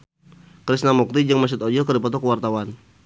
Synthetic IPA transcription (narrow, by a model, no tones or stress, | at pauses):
kɾisnamuk̚t̪id͡ʒəŋmas̬ʊt̪ɔd͡ʒɔkəɾdipɔt̪ɔkəwart̪awan